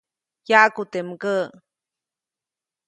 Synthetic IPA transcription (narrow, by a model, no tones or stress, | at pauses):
jakut̪emɡə